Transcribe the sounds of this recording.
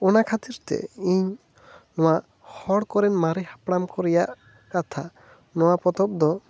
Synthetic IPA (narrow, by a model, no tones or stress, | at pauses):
ɔnakʰat̪iɾt̪ɛ̰iɲ | nɔwaʔ | hɔɽkɔɾɛnmaɾɛhḁpɽamkɔɾɛjaʔ | kat̪ʰa | nɔwapɔt̪ɔp̚d̪ɔ